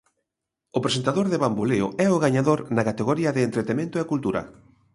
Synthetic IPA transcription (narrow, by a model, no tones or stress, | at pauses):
ʊpɾesent̪aðoɾðeβamboleʊ̰ɛʊɣaɲaðoɾnɐkat̪eɣoɾiɐðɪːnt̪ɾet̪emẽnt̪ʊekult̪uɾɐ̰